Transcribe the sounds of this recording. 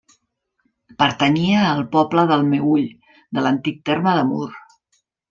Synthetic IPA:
pəɾt̪əɲiəːlˠpɔpləðəlˠmewuʎ | d̪ələnt̪ik̚t̪eɾməðəmṵɾ

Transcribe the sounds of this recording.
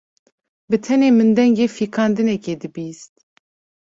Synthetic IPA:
bɨt̪ʰɛneːmɨnd̪ɛŋɡeːfiːkʰɑːnd̪ɨnɛkeːd̪ɨbiːst̪̚

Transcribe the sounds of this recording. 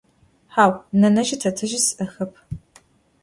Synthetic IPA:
ħaːwnɐnɐʒɪtʰɐtʰɨʒɪsʔɐxɐpʰ

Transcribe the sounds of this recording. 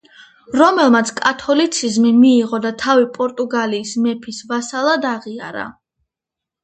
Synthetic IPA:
ɾɔmɛlˠmat̪sʰkʼat̪ʰɔlit̪sʰizmimiːʁɔd̪at̪ʰavipʼɔɾt̪ʼuɡaliːsmɛpʰisvasalˠad̪aʁia̰ɾa̰

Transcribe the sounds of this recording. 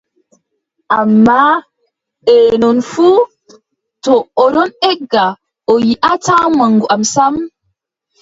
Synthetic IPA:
ʔamːa | ɗɛːnɔnfu | tɔːɾɔnɛɡːa | ʔɔjiʔataːmaŋɡuʔamsam

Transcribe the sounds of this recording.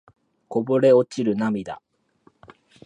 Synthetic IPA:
ko̞boɾe̞o̞t͡ɕiɾɯ̟namʲid̪a̰

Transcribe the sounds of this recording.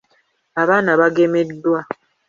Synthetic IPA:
aβaːnaβaɡe̞medːwa

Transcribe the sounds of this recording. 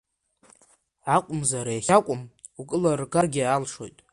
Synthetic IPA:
ʕakʷʼʊmzaɾajaχʲakʷʼʊmukʼɨlarɡarɡʲialʂo̞jtʼ

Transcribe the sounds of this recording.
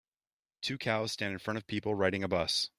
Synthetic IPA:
tʰʉkʰaʊz̥stæ̃ndɨ̃nfɹʌ̃ñʌv̥pʰipl̩ˠɹaɪɾɪ̃ŋɨbʌs

